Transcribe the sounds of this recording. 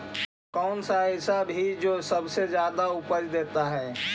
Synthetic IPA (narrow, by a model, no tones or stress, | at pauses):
kɔːnsaɦɪsabʱid͡ʒoːsəbsed͡ʒjaːd̪aʊpəɾd̪eːt̪aɦɛː